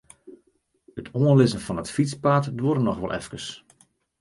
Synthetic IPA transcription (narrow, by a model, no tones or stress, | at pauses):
ətʰoənlɪzənfɑnətfit͡spatduəɾənɔxʋɔ̰lˠʔɛ̰fkəs